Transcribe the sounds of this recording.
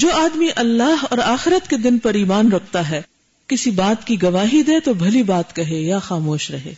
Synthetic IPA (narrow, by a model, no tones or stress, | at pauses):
d͡ʒoːaːd̪miʔɐlːaːɦɔːɾaːxɪɾət̪ked̪ɪnpɐɾiːmaːnɾɐkʰt̪aɦɛː | kɪsibaːt̪kiɡɐʋaːɦid̪eːt̪obʱɐlibaːt̪kɐɦejaxaːmoːʃɾɐɦḛː